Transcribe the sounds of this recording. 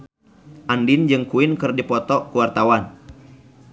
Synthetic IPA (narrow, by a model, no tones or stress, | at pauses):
ʔandind͡ʒɨŋkuinkɨrdipɔt̪ɔkuwart̪awan